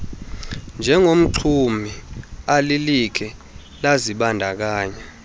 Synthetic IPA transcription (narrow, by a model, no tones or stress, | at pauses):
nd͡ʒʱɛŋom̩ǃʰumʱialilikʰɛ | laziɓandʱak̬aːɲa